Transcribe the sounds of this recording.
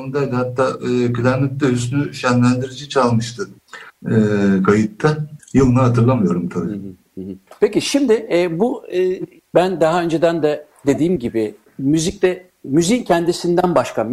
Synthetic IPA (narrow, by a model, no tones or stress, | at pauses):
onud̪æjʲd̪ihat̪ʰːaːkʰylʲæɾnʲɛt̪̚d̪ɛɦysynyʃænlʲænd̪iɾid͡ʒit͡ʃʰalˠmɯʃt̪ʰɯː | kʰajɯt̪ʰːajɯlˠɯnaɦat̪ʰɯɾlˠamɯjo̞ɾumt̪ʰabi | ɦpʰeciʃimd̪ɪɛbuɯː | bænd̪aɦaø̞nd͡ʒe̞d̪ænd̪ɛd̪e̞d̪iːmɟibɪ | myzic̚t̪ɛ | myzincʰɛnd̪isind̪ænbaʃkam